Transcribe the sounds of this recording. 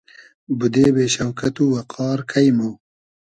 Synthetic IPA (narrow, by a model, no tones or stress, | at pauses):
bud̪ebeːʃɐwkɐt̪uwɐqʰɑːɾkʰɐjmu